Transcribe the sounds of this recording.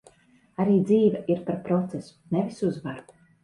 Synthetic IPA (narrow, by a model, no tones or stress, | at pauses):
aɾiːd̪ziːvɛʔiɾpaɾpɾɔt̪sesu̥nevisuzvaɾ